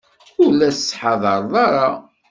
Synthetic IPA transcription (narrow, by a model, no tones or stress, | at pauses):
ʊlæsə̥sħɑðˤɑɾˤðˤɑɾˤɑ